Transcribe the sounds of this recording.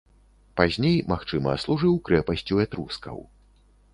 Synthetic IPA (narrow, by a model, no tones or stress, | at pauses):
pazʲnʲejmaxt͡ʂɨmɐ̰slˠuʐɨwkɾɛpɐsʲt͡sʲuɛt̪ɾuskɐ̰w